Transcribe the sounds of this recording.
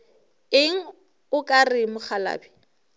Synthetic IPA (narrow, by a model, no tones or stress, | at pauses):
ɪŋ̩ | ʊkʼarɪmʊχala̰ːbi